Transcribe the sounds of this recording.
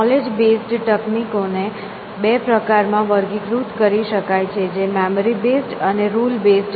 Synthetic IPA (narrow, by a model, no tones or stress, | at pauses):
ɔled͡ʒbesʈʈəknikone | bepɾəkaɾmãʋəɾɡikɾut̪kəɾiʃəkajt͡ʃʰed͡ʒemɛməɾibesʈəneɾulbesʈ